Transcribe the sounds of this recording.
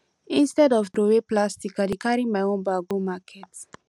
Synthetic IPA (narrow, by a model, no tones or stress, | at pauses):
ĩnstɛdɔvdɾoweplastikadikaɹĩmajõnbaɡomakʰɛt